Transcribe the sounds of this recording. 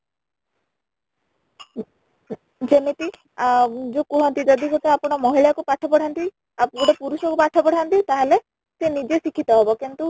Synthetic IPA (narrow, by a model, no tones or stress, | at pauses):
d͡ʒemit̪i | d͡ʒokuɦɔnt̪id͡ʒɔd̪ikot̪eapɔɽ̃ɔmɔɦiɭakupaʈʰɔpɔɽ̤ʰant̪i | apɡɔɽɔpuɾusɔkupaʈʰɔpɔɽʰant̪it̪aɦele | senid͡ʒesikʰit̪ɔɦebɔkint̪u